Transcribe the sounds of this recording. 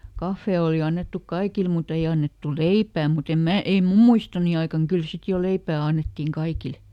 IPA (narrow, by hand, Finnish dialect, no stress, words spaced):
kɑfːeˑ oli ɑnːetːuk kɑikil mut ei ɑnːetːu leipæː mut em mæː ei mum muistoni ɑikɑŋ kyl sit jo leipæː ɑnːetːiˑŋ kɑikil